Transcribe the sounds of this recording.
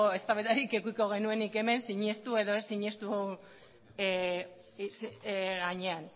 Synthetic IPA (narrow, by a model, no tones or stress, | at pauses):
oe̞st̪aβet̪aɾike̞kuiko̞ɣ̞e̞nue̞nike̞me̞nsiɲe̞st̪ue̞ðo̞esiɲe̞st̪u | sɣaɲe̞an